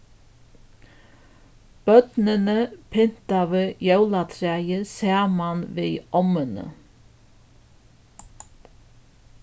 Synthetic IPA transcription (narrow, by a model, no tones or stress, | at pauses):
b̥œd̪̥nənəpʰɪn̥t̪ɑʋəjœʉlɑt̪ʰɾæːjəsæːmɑnʋiːʔɔmənə̰